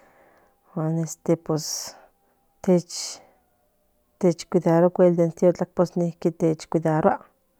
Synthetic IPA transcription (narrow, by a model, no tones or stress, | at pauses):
xʷanest̪epwes | t̪et͡ʃ | t̪et͡ʃkʷiðaɾokʷeld̪ent̪jot͡ɬak̚posnikit̪et͡ʃkʷiðaɾwaʔ